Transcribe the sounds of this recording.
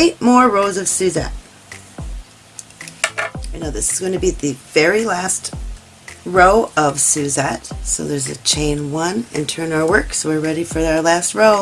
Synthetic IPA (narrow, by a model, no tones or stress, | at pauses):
eɪt̚mɔɹɹoʊzʌv̥sʉzɛ̰t̚ | aɪnoʊðɪsɨz̥ɡ̥ʌ̃ʊɪ̃nʰɨbiðɨvɛɹilæst | ɹoʊʌv̥sʉzɛt̚soʊðə˞zɨ̰t͡ʃʰẽɪ̃nwʌ̃nɨ̰̃ntʰɜ̃˞naʊə˞wɜ˞ksoʊwɨɹɹɛɾifə˞aə˞læst̚ɹoʊ